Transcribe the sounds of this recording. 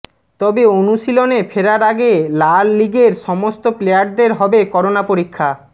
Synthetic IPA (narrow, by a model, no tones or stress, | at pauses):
t̪ɔbeonuʃilonefʰeɾaɾaɡelalːiɡeɾʃɔmost̪oplejaɾ̚d̪eɾɦɔbekɔɾonapoɾikʰːa